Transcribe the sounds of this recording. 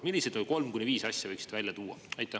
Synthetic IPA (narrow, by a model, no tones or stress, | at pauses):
milːised̪olʲko̞lmkunʲːiviːsɑsʲjɑvɤjksid̪̥væjlʲjɑt̪uːwɑ̰ɑjt̪ːˑæ